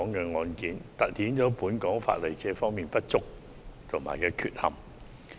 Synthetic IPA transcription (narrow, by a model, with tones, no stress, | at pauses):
ɔː˨˥ŋkɛː˧ŋɔː˧nkiː˨˥nt̪ɐ˨t̚hiː˨˥nt͡ʃɔː˨˥puː˨˥nkɔː˨˥ŋfa̰ː˧t̚le˨jt͡sɛː˧fɔː˥ŋmiː˨npɐ˥t̚t͡sʊ˥k̚ | t̪ʰʊ˨˩ŋma̰ː˨jkɛː˧kʰy̰ː˨t̚hɐ̰˨˩m